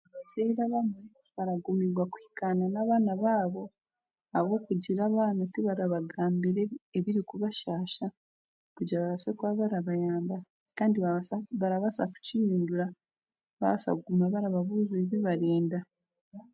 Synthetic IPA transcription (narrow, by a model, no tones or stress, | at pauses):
aβaseiɾaβame | βaɾaɡumiɾwakuhi̥kananaːβaːnaβaːβo̞ | aβo̞ːkuɟiɾaβanatiβaɾaβaɡaːmbiɾeeβiɾikuβaʃaːʃa | kuɟaβaβasekwaβaɾaβajaːmba | kaːndiβaβaɾaβasa̰ku̥cijiːnduɾa | βa̰βasa̰ɡumaβaɾaβaβuzeβiβaɾeːnda